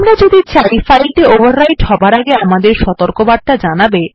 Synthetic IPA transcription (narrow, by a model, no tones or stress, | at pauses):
mɾad͡ʑod̪it͡ɕaɾifajlʈeobʱaɾːajʈhɔbʱaɾaɡeamad̪eɾʃɔt̪oɾkobad̪̚ʈad͡ʑanabe